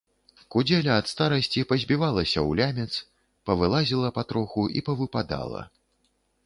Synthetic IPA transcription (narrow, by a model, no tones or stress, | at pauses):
kud͡zʲɛlʲɐɐt̪st̪aɾɐsʲt͡sʲipɐzʲbʲivalˠɐsʲɐwlʲamʲɛt̪s | pɐvɨlˠazʲilˠɐpat̪ɾɔxuʔḭpɐvɨpad̪a̰lˠɐ̰